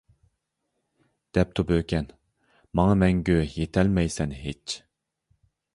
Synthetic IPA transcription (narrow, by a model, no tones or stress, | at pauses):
d̪̥ɛp̚t̪ʰubøkʲʰɛn | mɑŋɑmɛŋɡʲøjet̪ʰɛlmɛjsɛnɦet͡ʃ